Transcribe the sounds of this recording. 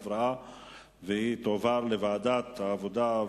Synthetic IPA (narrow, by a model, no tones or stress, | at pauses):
vɾaa | vehit̪ovaɾlevaːd̪at̪aːvod̪a